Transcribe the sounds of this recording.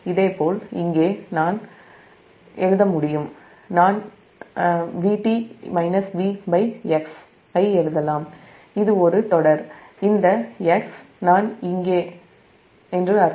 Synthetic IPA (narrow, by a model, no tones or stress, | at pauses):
ɪðeːpoːlɪ̰ŋɡeːnaːn | ɛɻɯðɐmʊɽɪjɯm | naːn | ʋiːʈimɐɪnɐsʋiːbɐɪɐks | ɐɪɛɻɯðɐlaːm | ɪðɯɔɾɯt̪ɔɽɐɾɪnd̪ɐɛks | naːnɪŋɡeː | ɛndrɯɐ